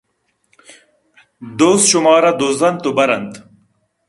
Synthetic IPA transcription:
d̪oːsɕumɑːɾɐd̪oːzɐnt̪ubɐɾɐnt̪

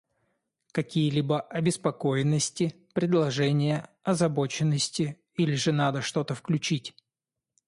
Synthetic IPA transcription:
kɐkʲijəlʲibəʔɐbʲɪspɐko̞jɪnːəsʲtʲɪ | pɾʲɪd̪lˠɐʐɛnʲɪjəɐzɐbo̞t͡ɕɪnːəsʲtʲɪ | ilʲɪʐɨnad̪əʂt̪o̞t̪əfklʲʉt͡ɕitʲ

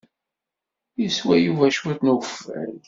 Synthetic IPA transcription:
jiswæjuvæʃut̪nufːæ̰l

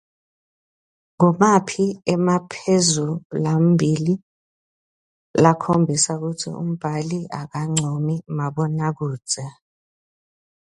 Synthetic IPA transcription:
ŋɔmapʰiɛmapʰezulambʱili | lakʰombʱisauk̬utʰḭṵm̩b̥ʱaliak̬aŋ͡ǀʱomimaɓɔnak̬uːd̥z̥ʱɛ

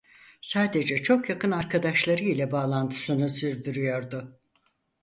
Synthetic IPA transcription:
saːd̪e̞d͡ʒɛt͡ʃʰo̞kjakʰɯnaɾkʰad̪aʃlˠaɾɯilʲɛbaːlˠant̪ʰɯ̥sɯnɯsyɾd̪yɾyjo̞ɾd̪ʊ

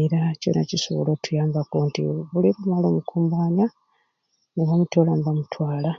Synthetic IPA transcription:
iɾaco̰nacisṵβlotʰujaːmbakontḭβuliβumalomukʰuːmbaːɲa | niβamutolanibamutʰwaːla

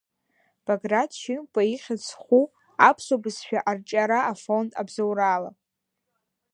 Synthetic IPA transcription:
b̥aɡradʃɪnpʼaiχʲat͡sʰχʷu | apʰsobɨsʃᶣaʔart͡ʃʼaɾaːfo̞ntʼabzawraːla̰

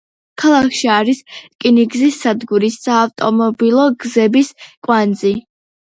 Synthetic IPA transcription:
kʰalˠakʰʃiaɾiskʼiniɡzisːad̪ɡuɾisːaːft̪ʼɔmɔbilˠɔɡzɛbiskʼwand̪zi

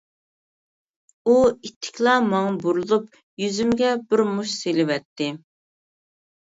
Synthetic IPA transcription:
uit̪ʰːɪ̥kʲʰlˠɑmɑŋbuɾulˠup | jyzymɡʲɛbɪɾmuʃselɪvɛt̪ʰːɪ

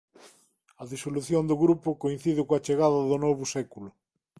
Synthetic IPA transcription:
ɐðisoluθjond̪ʊɣɾupʊkoinθiðɪkoɐt͡ʃeɣaðɐðʊnoβʊsɛkulʊ

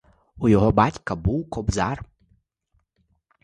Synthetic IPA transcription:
ujɔɦɔbatʲkɐbuwkɔbza̰r

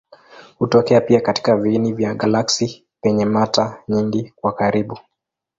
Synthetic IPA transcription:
hutɔkɛapiakati̥kavinivjaɠalaksi | pɛɲɛmataɲiŋɡikwakaɾiɓu

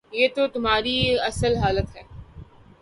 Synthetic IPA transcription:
jeːt̪ot̪ʊm̤ɦaːɾiɐsəlɦaːlət̪ɦɛː

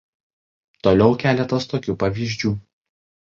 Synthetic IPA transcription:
t̪oːlʲɛʊkʲæːlʲɛt̪ɐst̪oːkʲuːpɐʋʲiːʒʲd͡ʒʲuː

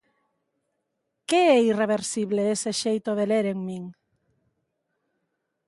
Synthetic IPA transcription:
keɛireβeɾsiβleeseʃejt̪oðeleɾeŋmĩŋ

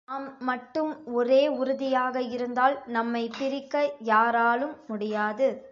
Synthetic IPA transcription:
aːmːɐʈːɯmɔɾeːʊɾɯðɪjaːɣɐɪɾɯnd̪aːlnɐmːɐɪpːɪɾɪkːɐjaːɾaːlɯmːʊɽɪjaːðɯ

